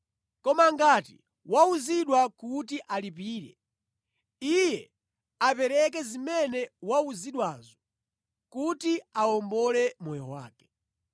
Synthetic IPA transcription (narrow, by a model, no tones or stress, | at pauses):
kɔmaŋɡatḭ | wauziɗwakutiʔalipiːɾɛ̰ | ijɛ | apɛɾɛk̬ɛzimɛnɛwauziɗwaːzɔ | kutiaɔmbɔlɛmɔjɔwa̰ːkɛ̥